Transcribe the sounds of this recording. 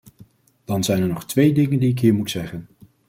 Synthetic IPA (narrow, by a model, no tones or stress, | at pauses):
d̥ɑnzɛjnɛɹnɔχtʋejdɪŋəndiɪkɦiːɹmutsɛχən